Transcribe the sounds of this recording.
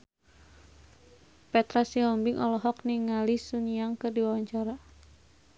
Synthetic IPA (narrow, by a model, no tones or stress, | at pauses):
pɛt̪ɾasiɔmbiŋʔɔlɔɦɔk̚niŋalisuniaŋkərdiwawaɲt͡ʃaɾa